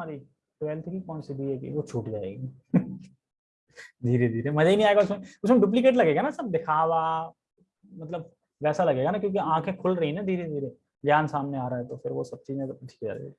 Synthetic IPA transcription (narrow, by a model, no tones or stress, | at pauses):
aːɾi | ʈʋɛːlt̪ʰkipɔ̃ːnsid̪iɛːɡḭʋot͡ʃʰuːʈd͡ʒaːḛːɡi | d̪ʱiːɾed̪ʱiːɾẽmɐd͡ʒainĩaːeɡaʊsmeʊsmeɖuːp̬likeːʈ̬lɐɡeːɡanasɐb̚d̪ɪkʰaːʋa | mɐt̪ləb̚ | ʋɛːsalɐɡeːɡanakjõːkeãːkʰẽkʰʊlɾɐɦĩnad̪ʱiːɾẽd̪ʱiːɾẽ | d͡ʒjaːnsaːmneaːɾaɦɛt̪ofʰɪɾʋosɐb̚t͡ʃiːzẽt̪ɐʈʰi̥ːkd͡ʒa̰ːɾḛːi